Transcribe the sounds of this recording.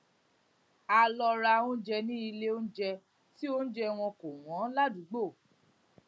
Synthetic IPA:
a˧lɔ˧ɾa˧õ˦d͡ʒɛ˧nĩ˦i˧le˦o˦n̩˦d͡ʒɛ˧ | ti˦o˦n̩˦d͡ʒɛ˧w̃ɔ̃˧ko˨w̃ɔ̃˨˦la˦du˨˦ɡ͡bo˦˨

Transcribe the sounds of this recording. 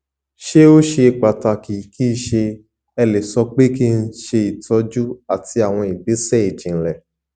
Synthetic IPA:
ʃe˦o˦ʃe˧k͡pa˨ta˧ki˨ki˦˧ʃe˧ | ɛ˧le˨sɔ˧˦k͡pe˦ki˦˧n̩˦ʃe˧i˨tɔ˧˦d͡ʒu˦a˨ti˧a˨w̃ɔ̃˧i˨be˨˦sɛ˦˨i˨d͡ʒĩ˨n̩˦˨lɛ˨

